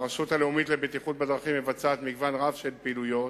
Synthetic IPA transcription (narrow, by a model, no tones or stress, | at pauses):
ʁaʃutaleumitlebet̪iχut̪̚bed̪ʁaχimːevat͡saːt̪miɡvanʁavʃelpiːlujo̞t